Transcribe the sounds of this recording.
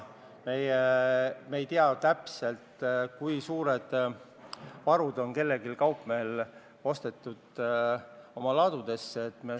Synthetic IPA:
me̞jemeejt̪iɑt̪æpse̞lt̪kujsuːɾed̪̥ | vɑɾud̪o̞nke̞lːe̞ɡilkɑwpmeːl | o̞st̪e̞t̪ˑːud̪̥ | o̞mɑlɑːd̪̥ud̪̥e̞sːeet̪ˑme

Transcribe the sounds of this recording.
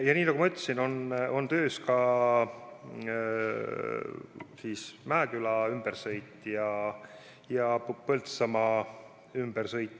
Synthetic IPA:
jɑniːnɑɡumɑyt̪ːˑɑsino̞no̞nt̪ø̞ːskɑ | siːsmæːkylɑymb̥ersɤjt̪ːˑjɑ | jɑpɤlt̪sɑmɑ | ymb̥ersɤjt̪ːˑ

